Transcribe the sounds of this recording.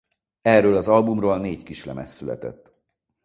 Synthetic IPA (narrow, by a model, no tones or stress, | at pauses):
ɛrːøːlɒzɒlbumroːlneːckiʃlɛmɛsːylɛ̰t̪ɛ̰t̪ː